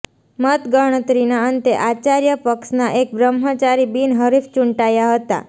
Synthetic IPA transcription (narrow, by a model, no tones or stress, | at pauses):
mət̪ɡəɦɳ̃ət̪ɾinaənt̪eʔat͡ʃaɾjəpəksnaʔek̚bɾəmɦət͡ʃaɾibinɦəɾift͡ʃuɳʈajaɦət̪a̰